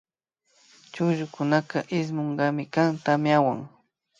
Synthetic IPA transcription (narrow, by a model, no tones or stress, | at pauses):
t͡ʃʊʒʊkʊnakaʔɪs̬moɴɢɑmɪkaŋt̪amɪawa̰ŋ